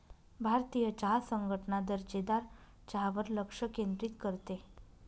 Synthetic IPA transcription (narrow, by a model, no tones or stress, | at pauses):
bʱaɾt̪ijət͡ɕaɦasəŋɡʱəʈnad̪əɾd͡ʑed̪aɾ | t͡ɕaɦʋəɾləkʂəkend̪ɾit̪kəɾt̪e